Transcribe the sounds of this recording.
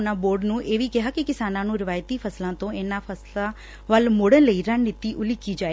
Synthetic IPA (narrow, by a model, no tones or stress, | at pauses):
naboːɾɖnũːʔeːʋikɪɦakikɪsaːnãnũːɾɪʋaːjt̪ifʰɐslãt̪õeːnafʰɐsla | ʋɐlmʊɽə̃nləiɾanːɪt̪iʔʊlikid͡ʒaːe